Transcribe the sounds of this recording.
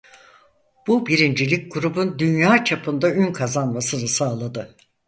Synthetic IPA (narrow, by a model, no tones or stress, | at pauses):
b̥ubiɾind͡ʒilʲic̚ʲɡuɾubund̪ynjaːt͡ʃʰapʰɯnd̪aynkʰazanmasɯnɯsaːlˠad̪ɯ